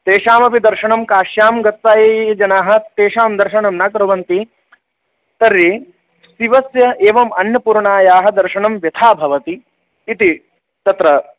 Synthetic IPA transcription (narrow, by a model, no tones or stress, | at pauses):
t̪eːʂaːmɐpid̪ɐɾʃɐɳɐmkaːʃjaːmɡɐt̪saːjeːd͡ʒɐnaːɦɐ̆t̪eːʃaːmd̪ɐɾʃɐɳɐmnaːkɾɐʋɐnt̪i | t̪ɐɾːi | siʋɐsjɐʔeːʋɐmɐnjɐpuːɾɳaːjaːɦɐ̆d̪ɐɾʃɐɳɐmʋjɐt̪ʰaːbʱɐʋɐt̪iː | t̪i | t̪ɐt̪ɾɐ